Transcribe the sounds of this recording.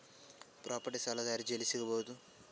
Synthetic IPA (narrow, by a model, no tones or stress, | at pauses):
pɾʔaːpɐʈisɐlɐɡaːɾid͡ʒelisiɡɐboːt̪u